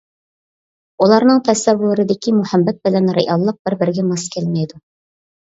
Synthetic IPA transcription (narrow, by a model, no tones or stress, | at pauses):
ulˠɑɾnɨŋt̪ʰɛsæwʊɾɪd̪ɪkʲimʊhæmːɛt̪̚bɪlɛnɾeʔɑlˠːəq̚b̥ɪɾbɪɾɡʲɛmɑskʲʰelmɛjd̪u